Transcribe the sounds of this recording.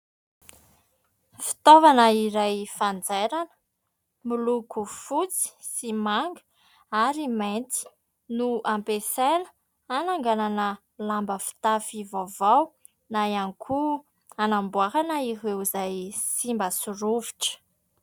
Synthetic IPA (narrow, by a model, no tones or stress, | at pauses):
fi̥t̪ovanəiɾajfand͡zeɾanə̥ | milukufut͡si̥simaŋɡə̥ | aɾiment̪i̥ | nuampesenə | anaŋɡananə | lambəfi̥t̪afivavaw | najankʰu | anambuaɦanəiɦewzajsimbəsuɾuviʈ͡ʂə̥